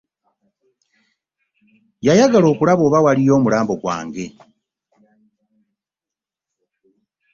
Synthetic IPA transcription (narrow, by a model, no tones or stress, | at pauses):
jajaɡalo̞ːkulaβo̞ːβawalijo̞ːmulaːmbo̞ɡwa̰ːŋɡe̞